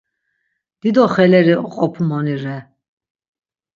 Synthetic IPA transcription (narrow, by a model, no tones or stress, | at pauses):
d̪̥id̪ɔχɛlɛɾiqʼɔpʰmɔniɾɛ